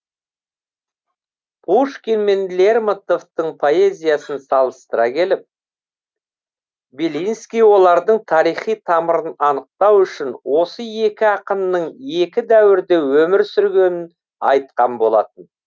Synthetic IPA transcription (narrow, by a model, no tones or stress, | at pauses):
pʰuʃkʲenme̞nlʲeɾmat̪o̞ft̪əɴpʰo̞e̞zʲijɑsənsɑlˠəst̪əɾɑkʲʰe̞lɪp̚ | belʲinskʲijwo̞lˠɑɾd̪əɴt̪ʰɑɾijχijt̪ʰɑməɾənɑnəq̚t̪ɑwʏʃɪnwʔo̞səe̞kʲɪɑqənːəɴe̞kʲɪd̪æwɪɾd̪ewɵmɪɾsʏɾɡʲe̞nɪn | ɑ̰jt̪̚qɑnbo̞lˠɑt̪ən